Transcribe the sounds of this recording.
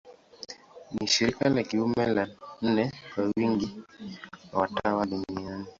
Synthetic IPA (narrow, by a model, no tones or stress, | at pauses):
niʃiɾikalɛkiwumɛlannɛpawiŋɡi | ɔtawadomiani